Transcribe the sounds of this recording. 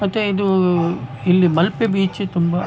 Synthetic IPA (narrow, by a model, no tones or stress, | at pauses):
mɐt̪ːeid̪u | ilːimɐlpebiːt͡ʃit̪umbɐ